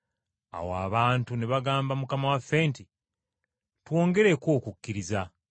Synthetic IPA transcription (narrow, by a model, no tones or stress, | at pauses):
a̰woa̰βaːntuniβaɡaːmbamukamawafːe̞ːnti | two̞ːŋɡe̞ɾe̞ko̞ːkukʲːiɾiza